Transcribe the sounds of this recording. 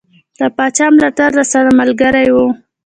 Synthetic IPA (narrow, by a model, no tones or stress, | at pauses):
d̪̥əpɑt͡ʃɑmlaʈaɾd̪asaɾamalɡaɾajwu